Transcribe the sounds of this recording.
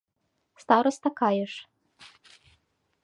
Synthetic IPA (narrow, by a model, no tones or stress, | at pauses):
st̪ɑɾɔst̪ɐkɑjɛʂ